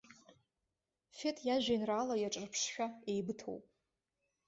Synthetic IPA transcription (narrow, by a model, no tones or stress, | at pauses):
fe̞tʰʼjaʒᶣajnraːlajaʈ͡ʂʼarpʰʂʃᶣae̞jbɨtʰo̰wpʼ